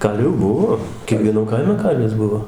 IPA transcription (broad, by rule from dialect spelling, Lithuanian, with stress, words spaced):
ˈkɐlʲʋʲuː ˈbʊʋoː kʲiɛkʋʲiɛˈnɐm ˈkɐɪmʲɛ ˈkɐlʲʋʲɪs ˈbʊʋoː